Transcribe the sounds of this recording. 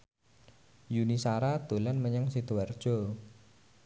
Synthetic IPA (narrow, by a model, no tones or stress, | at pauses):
junisaɾad̪̥ulanməɲəŋsit̪uard̥ʒ̥ɔ̤